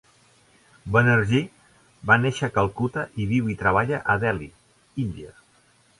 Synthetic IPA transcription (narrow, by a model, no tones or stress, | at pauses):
bənəɾʒi | baneʃəkəlˠkut̪əʔiβiwit̪ɾəβ̞aʎəʔəðɛlḭ | ind̪iə